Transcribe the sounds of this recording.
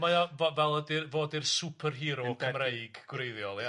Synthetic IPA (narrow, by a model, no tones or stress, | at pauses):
majavɔvɛlˠədɪrvoːdɪrsupʰərɦiɾɔkʰəmrejɡɡ̥wreɨðjɔlˠja